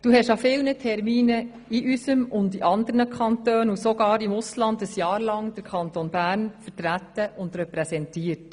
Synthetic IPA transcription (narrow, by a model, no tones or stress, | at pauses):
d̥uːɦɛʃɑfɪlnətʰɛɾmiːnə | iʔysəmʊndiʔɑnd̪əɾnəkʰɑnt̪øːnusɔɡɑːɾɪmʊslɑndəsjɑːɾlɑŋd̥əɾkʰɑntonbæːɾnfəɾtɾæt̪ːəʔʊnd̪ɾɛpɾɛsɛntiːəɾt